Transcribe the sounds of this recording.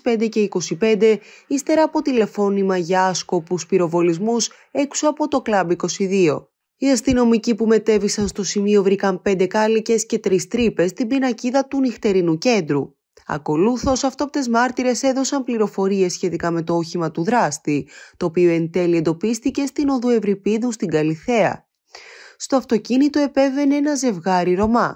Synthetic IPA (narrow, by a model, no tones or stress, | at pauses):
pe̞nd̪e̞ce̞iko̞sipe̞nd̪e̞ist̪e̞ɾɐːpo̞t̪ile̞fo̞nimɐʝɐɐsko̞puspiɾo̞vo̞lizmus | e̞ksuɐpo̞t̪o̞klɐbiko̞siðio̞ | iɐst̪ino̞micipume̞t̪e̞visɐnst̪o̞simio̞vɾikɐmpe̞nd̪e̞kɐlice̞sce̞t̪ɾist̪ɾipe̞st̪ibinɐciðɐt̪unixt̪e̞ɾinuce̞nd̪ɾu | ɐ̰ko̞luθo̞sɐft̪op̚t̪e̞zmɐɾt̪iɾe̞se̞ðo̞sɐmpliɾo̞fo̞ɾie̞sːçe̞t̪ikɐme̞t̪o̞oçimɐt̪uðɾɐst̪it̪o̞ːpioe̞nt̪e̞liend̪o̞pist̪ice̞st̪ino̞ðue̞vɾipiðust̪iŋɡɐliθe̞ɐ̰ | st̪oɐft̪o̞cinit̪o̞e̞pe̞ve̞neenɐze̞vɣɐɾiɾo̞mɐ